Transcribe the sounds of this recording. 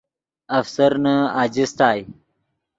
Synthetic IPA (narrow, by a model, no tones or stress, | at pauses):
ɐfsɐɾnaaːd͡ʑist̪aːj